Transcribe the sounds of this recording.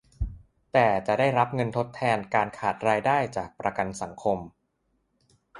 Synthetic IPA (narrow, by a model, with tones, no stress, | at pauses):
t̪ɛː˨˩t͡ɕa˨˩daː˥˩jɾa˦˥p̚ŋɤ˧nt̪ʰo˦˥t̪ʰːɛː˧nkaː˧nkʰaː˨˩t̪̚ɾaː˧jdaː˥˩jt͡ɕaː˨˩k̚pɾa˧ka˧nsa˩˦ŋkʰo˧m